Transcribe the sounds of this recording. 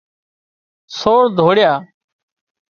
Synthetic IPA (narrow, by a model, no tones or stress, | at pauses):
soːɾd̪ʱoːɽɪjaː